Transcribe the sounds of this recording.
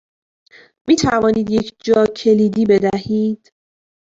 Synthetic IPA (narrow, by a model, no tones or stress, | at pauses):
miːt̪ʰævɒːniːd̪jecʰd͡ʒɒːcʰe̞liːd̪iːbe̞d̪æhiːd̪̥